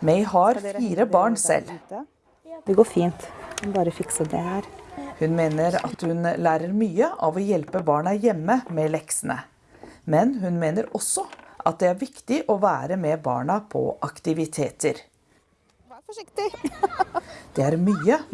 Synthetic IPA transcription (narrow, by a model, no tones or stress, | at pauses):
mɛɪhɑɾfiːɾəbɑːɳsɛ̰l | d̪ɛɡoːfiːnt̪ɛbɑːɾəfɪksəd̪ɛhæːɾhʉnmeːnəɾɑ̰t̪hʉnlæːɾəɾmyːəʔɑʋɔjɛlpəbɑːɳɑjɛmːəmɛlɛksənə̰ | mɛnɦʉnmeːnəɾɔsːɔʔɑt̪̚d̪ɛæɾʋɪkt̪ɪʔɔʋæːɾəmɛbɑ̰ːɳɑpʰɔ̰ʔɑkt̪ɪʋɪt̪ʰeːt̪əɾ | d̪̥ɛæɾmyːə